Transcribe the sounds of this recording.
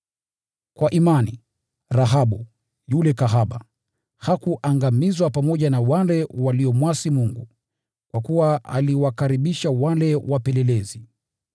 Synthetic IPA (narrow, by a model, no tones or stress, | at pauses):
kwaʔimani | ɾaɦaɓu | julɛkaɦaɓa̰ | hakuʔaŋɡamizwapamɔʄanawalɛwaliɔmwasimuŋɡu | kwakuwaa̰liwakaɾiɓiʃawalɛwʔapɛlɛlɛzi